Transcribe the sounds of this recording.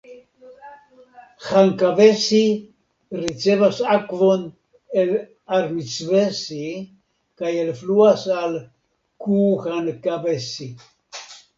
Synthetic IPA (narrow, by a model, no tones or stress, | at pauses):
xaŋkaβesi | rit͡seβasakvon | el | aɾmit͡svesi | kajelfluasal | kuxankaβesi